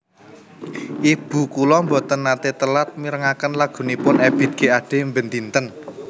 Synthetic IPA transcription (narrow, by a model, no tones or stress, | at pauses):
ʔib̥ṳkulɔmbɔt̪ənːat̪et̪əlat̪̚miɾəŋakənlaɡ̥ṳnipʊnɛb̥i̤t̪̚ɡ̥e̤aɖ̥e̤mbənt̪int̪ən